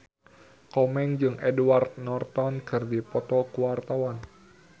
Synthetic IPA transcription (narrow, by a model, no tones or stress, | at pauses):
kɔmɛŋd͡ʒɨŋʔɛduwart̪̚nɔrt̪ɔnkɨrdipɔt̪ɔkuwart̪awan